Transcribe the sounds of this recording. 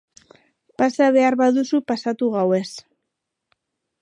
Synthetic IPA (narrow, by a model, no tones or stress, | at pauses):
pasaβe̞aɾβaðusupasat̪uɣawe̞s